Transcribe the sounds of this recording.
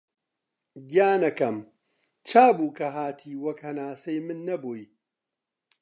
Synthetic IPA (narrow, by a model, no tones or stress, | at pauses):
ɡijaːnɐkɐm | t͡ʃʰaːbuːkɐɦaːt̪ʰiːwɐkhɐnaːsɐjmɨnːɐboːj